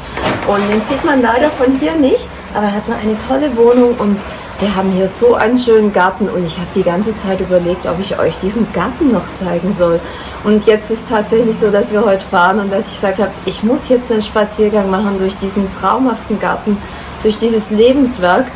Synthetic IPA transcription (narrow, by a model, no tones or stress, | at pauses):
ʔʊntenz̥iːtmanlaɪɾɐfɔnɦiːɐnɪçt | ʔaːbɐhatmanʔa̰ɪnətʰɔləvoːnʊŋʔʊnt | viːɐɦaːbm̩hiːɐzoːʔa̰ɪnənʃøːnənɡaɐtn̩ʊ̰ntɪçhaːbəd̥iːɡant͡sət͡saɪtʔyːbɐleːk̚tɔ̰pɪçʔɔ̰ʏçd̥iːzn̩ɡ̥aɐtn̩nːɔχt͡saɪɡŋ̩zɔl | ʔʊntjɛt͡stɪstʰːaːtz̥ɛçlɪçz̥oːdasv̥iːɐhɔʏtə̥faːʁənʊnt̚d̥asɪ̥çɡ̥z̥aːk̚thaːbəʔɪçmʊsjɛt͡stnenʃpat͡siːɐɡaŋmaχn̩dʊɐçd̥iːzn̩tʁ̥aʊmhaftn̩ɡa̰ɐtn̩ | d̥ʊɐçd̥iːzəsleːbm̩sv̥ɛɐk